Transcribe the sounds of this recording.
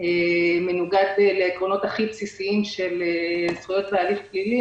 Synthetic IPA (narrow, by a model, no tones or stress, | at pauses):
emenuɡad̪eleːkʁo̞no̞t̪haχipsisiimʃe̞lesχujo̞t̪vealifklili